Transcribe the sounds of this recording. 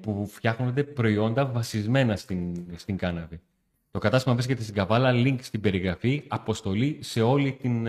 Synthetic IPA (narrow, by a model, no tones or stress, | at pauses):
pufçɐxno̞nd̪e̞pɾo̞io̞nd̪ɐvɐsizme̞nɐst̪inst̪iŋɡɐnɐvi | t̪o̞kɐt̪ɐst̪imɐvɾisce̞t̪e̞st̪iŋɡɐvɐlɐliŋkst̪ibe̞ɾiɣɾɐfiɐpo̞st̪o̞lise̞o̞lit̪in